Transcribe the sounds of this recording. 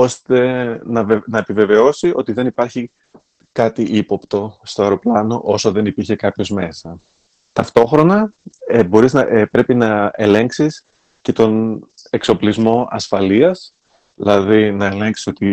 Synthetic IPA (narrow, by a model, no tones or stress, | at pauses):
o̞st̪e̞nɐvnɐepive̞ve̞o̞siʔo̞t̪iðe̞nipɐɾçi | kɐt̪iʔipo̞pt̪o̞st̪oeɾo̞plɐno̞̰ʔo̞so̞ðe̞nipiɾçe̞kɐpço̞zme̞sɐ | t̪ɐft̪o̞xɾo̞nɐbo̞ɾiznɐepɾe̞pinɐe̞le̞ŋksis | ce̞t̪o̞nekso̞plizmo̞ɐsfɐliɐs | ðilɐðinɐe̞le̞ŋksi̥so̞t̪i